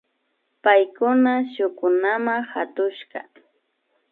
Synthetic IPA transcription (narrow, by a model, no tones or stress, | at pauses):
pajkʊnaʃʊkʊnamaxat̪ʊʃɢɑ̰